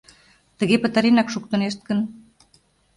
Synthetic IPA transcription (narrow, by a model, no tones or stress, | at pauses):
t̪ə̆ɣepə̆t̪əɾenɑkʃuk̚t̪ə̆neʃt̪̚kə̆n